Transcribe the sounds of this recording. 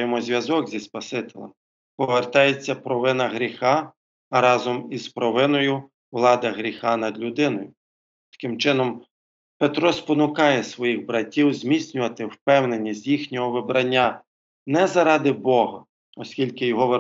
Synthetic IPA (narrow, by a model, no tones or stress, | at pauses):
jɛmɔzʲʋʲɐzɔkzʲispɐsɪt̪ɪlˠɐ̰ | pɔʋert̪ɑjet͡sʲːɐpɾɔʋɪnɐɦɾʲixɑ | ɾɑzɔmizpɾɔʋɪnɔjʊ | wlˠɑd̪ɪɦɾʲixɑnɐd̪lʲʊd̪ɪnɔjʊ | t̪ɐ̥kɪmt͡ʃɪnɔm | pet̪ɾɔspɔnʊkɑjɛsʋɔjiɣbɾɐtʲːiwzmʲit͡sʲnʲʊʋɐt̪ɪwpɛwne̞nʲːizʲjixnʲɔɦɔʋɪbɾɐnʲːa | nɛzɐɾɑd̪ɪbɔɦɐ | ɔsʲkʲilʲkɪjɔɦɔʋe